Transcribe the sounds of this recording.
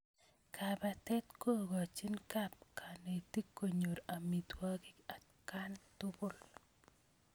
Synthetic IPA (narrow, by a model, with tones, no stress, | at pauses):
kʰa˨ba˨tɛ˦t̪ko˦ɡo˨a˨t͡ʃi˦nka˦p̚kʰa˨ne˨ti˦kːo˨ɲo˨ɾa˨mi˨t̪wa˦kɪ˦a˨ | ka˦ntʊ˦ɡʊ˦˨l